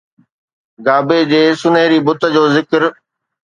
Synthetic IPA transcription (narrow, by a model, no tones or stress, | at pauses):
ɡaːbed͡ʑeːsʊnəɦɪɾibʊt̪ə̆d͡ʑoːzɪkɾ